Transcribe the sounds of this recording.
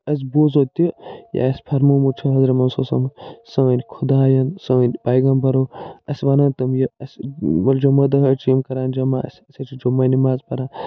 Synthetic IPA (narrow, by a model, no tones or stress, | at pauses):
ɐs̬ʲboːzot̪ʲija̰ɐsʲpʰɐɾmomut͡ʃʰɐɦɐzɾɐmɐnsoːsɐ̰mɐsɐʋɐnʲkʰud̪aːjɐnsɐʋɐnʲb̥aːjɡɐnbɐɾoːɐsʲʋɐnɐnt̪ɐmjɐɐsʲʋɐld͡ʒɐmɐd̪ɐɦɐt͡ʃʰjimkɐɾaːnd͡ʒɐmaɐ̰sʲɐsʲɐt͡ʃʰid͡ʒomːɐnimaːzpɐɾaːn